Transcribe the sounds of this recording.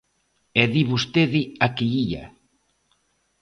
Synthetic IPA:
ɛðiβust̪eðɪakiiʎa̰

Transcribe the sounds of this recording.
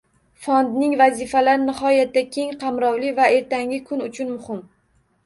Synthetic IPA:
fɒnd̪nɪŋvazɪfalaɾɪnɪhɒjat̪ːakʲʰe̞ŋqʰɑmɾɒwlɪvae̞ɾt̪ʰaŋʲɪkʰʊnʊt͡ʃʰʊnmʊhɪm

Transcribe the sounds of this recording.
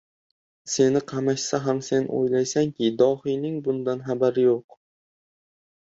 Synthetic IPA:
se̞nɪqʰɑmaʃsaɦamse̞no̰jlajsaŋkʲɪd̪ɒhɪjnɪŋbʊnd̪anχabaɾɪjoq

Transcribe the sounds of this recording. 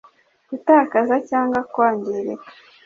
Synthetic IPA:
ɡutaːkazacaːŋɡwakwaːɲɟiɾe

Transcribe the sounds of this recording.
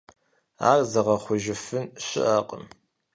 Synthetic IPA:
a̰ːrzɐʁɐχʷʊʒɪfɨnɕɪ̰ʔaːqʼə̰m

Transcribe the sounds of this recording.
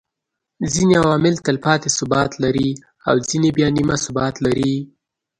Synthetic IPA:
zineawɑmɪlt̪ɪlpɑt̪esʊbɑt̪laɾi | a̰wzinebjɑnimasʊbɑt̪laɾi

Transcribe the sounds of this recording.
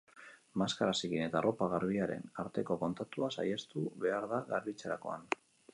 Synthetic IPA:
maskaɾasikine̞t̪aro̞paɣaɾβ̞iaɾe̞̰naɾt̪e̞ko̞ko̞nt̪at̪uasaje̞st̪uβe̞aɾðaɣaɾβit͡seɾa̰ko̞̰a̰n

